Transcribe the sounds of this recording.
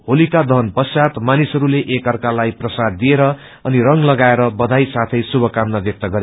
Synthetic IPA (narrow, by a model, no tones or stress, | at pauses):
ɦolikad̪ʌɦʌnpʌsjat̪manisʌɾuleʔekʌrkalajprʌsad̪ːieɾʌ | ʌnirʌŋlʌɡaeɾʌbʌd̪ʱajsat̪ʰʌjsubʱʌkamnabjʌk̚t̪ʌɡʌɾe